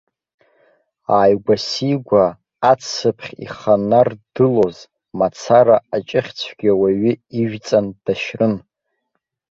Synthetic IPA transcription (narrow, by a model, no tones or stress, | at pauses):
aːjɡʷasiɡʷaː | t͡sʰɨpʰχʲḭχanard̥ɨloz | mat͡sʰaɾaːt͡ʃʼɪχʲt͡sʷʰɡ̥ʲawaɥiiʒᶣt͡sʼand̥aʃrɨn